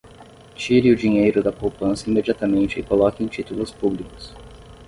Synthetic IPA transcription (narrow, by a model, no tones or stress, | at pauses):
t͡ʃiɾɪʊd͡ʒiɲejɾʊd̪ɐpowpɐ̃sɐimed͡ʒiat̪ɐmẽnt͡ʃɪɪkolɔkɪẽj̃t͡ʃit̪ulʊspublikʊ̥s